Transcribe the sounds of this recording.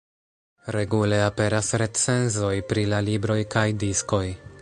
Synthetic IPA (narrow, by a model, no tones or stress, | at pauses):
ɾe̞ɡule̞ape̞ɾasɾe̞t͡se̞nzo̞jpɾilalibɾo̞jkajdisko̞j